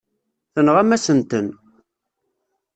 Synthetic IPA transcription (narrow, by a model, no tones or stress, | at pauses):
θənʁæmæsənt̪ən